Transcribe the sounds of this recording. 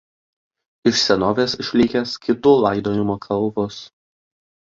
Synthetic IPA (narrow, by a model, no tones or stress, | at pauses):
ɪʃsʲɛnoːʋʲeːsɪʃʲlʲɪkʲɛskʲɪt̪uːlˠɑˑɪd̪oːnʲɪmoːkʰɐlˠˑbʊs